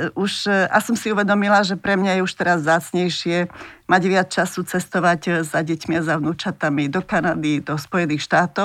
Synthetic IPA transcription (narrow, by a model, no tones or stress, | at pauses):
uʃʔasɔmsiuʋɛd̪ɔmilaʒɛpɾɛmɲajɛuʃt̪ɛɾazvzaːt͡sɲɛjʃɪɛmaɟʋɪat͡st͡ʃasut͡sɛst̪ɔʋaɟzaɟɛcmiazaʋnuːt͡ʃat̪amid̪ɔkanad̪id̪ɔspɔjɛniːxʃt̪aːt̪ɔ